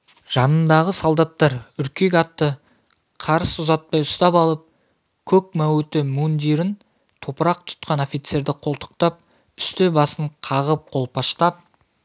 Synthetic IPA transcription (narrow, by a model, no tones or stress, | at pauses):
ʒ̥ɑnənd̪ɑʁəsolˠd̪ɑt̪ːɑɾʏɾkʲe̞k̬ʲɑt̪ːə | qʰɑɾəsʊzɑt̪̚pɑjʊst̪ɑpɑlˠəp̚ | kʲʰɵk̚mæwt̪ɪmund̪iɾɪn | t̪ʰopəɾɑq̚t̪ʰʊ̥t̪̚qɑnofijt̪se̞ɾd̪ɪqʰo̞lˠt̪ʰə̥q̚t̪ɑp̚ | ʏst̪ebɑsəɴqʰɑʁəp̚qʰo̞lˠpʰɑʃt̪ɑp̚